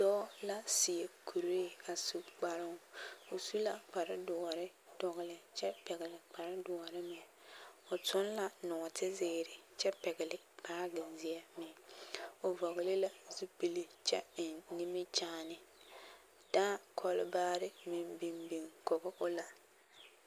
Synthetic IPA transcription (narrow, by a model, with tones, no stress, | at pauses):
dɔː˦la˦si˨e˨kʰu˨ɾe˦a˨su˨k͡pa˨ɾɪ˦ŋ˦o˨su˦la˨k͡pa˨ɾɪ˦dɔ˨ɔ˨ɾɪ˦ | d̥ɔ˨ɣɪ˨lɪ˨t͡ʃɛ˦pɛ˨ɣɪ˨lɪ˨k͡pa˨ɾɪ˦dʊ˨ɔ˨ɾɪ˦mɪ˨ | ʊ˨tʊ˦nla˨nɔ˨tʰɪ˦zɪː˦ɾɪ˨t͡ʃɛ˦pɛ˨ɡɪ˨lɪ˨paː˦ɡɪ˨nzɪ˨ɛ˦mɪ˨ | ʊ˨vɔ˨ɣɪ˨lɪ˦la˦zu˦pi˦li˦t͡ʃɛ̰˦ɪ˨nni˦mɪ˦t͡ʃaː˦nɪ˨ | d̥aː˦kʰɔ˦lɪ˦baː˦ɾɪ˦mɪ˨mbi˨mbi˨ŋkɔ˨ɣɔ˦ʔʊ˦la˨